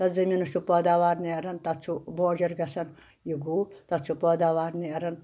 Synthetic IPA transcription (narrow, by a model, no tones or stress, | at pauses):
t̪ɐd͡zɐminut͡ʃʰupɐd̪aːʋaːɾniɐɾɐnt̪ɐt͡sʰuboːd͡ʒɐɾɡɐsɐn | jiɡuːt̪ɐt͡sʰupɐd̪aʋaːɾniɐɾɐn